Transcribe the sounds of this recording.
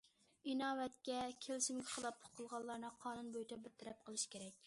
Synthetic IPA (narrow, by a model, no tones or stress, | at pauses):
inɑːwɛt̪kʲɛkʲʰelɪsɪmɡʲɛχəlˠɑp̚pʰo̥qʰəlˠʁɑlˠːɑɾnɨqʰɑːnunbojt̪ʰɛbɪt̪ʰɪɾɛp̚qʰəlˠɨʃkʲʰeɾɛk̚ʲ